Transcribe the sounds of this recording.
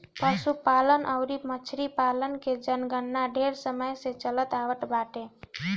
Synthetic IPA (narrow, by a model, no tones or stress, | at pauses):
pəsupalənʔəʊɾimət͡ʃʰɾipalənked͡ʒənɡənːaɖʱeɾsəməjset͡ʃələt̪aʋəʈbaʈe